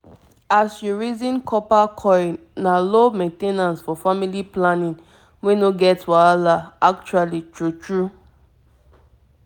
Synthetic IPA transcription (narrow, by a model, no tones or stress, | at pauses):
asjuɹizĩnkʰɔpakʰɔ̃ɪn | nalomẽntenãnsfɔfamiliplanĩn | wenoɡɛtwaalaak̚t͡ʃualitɹutɹu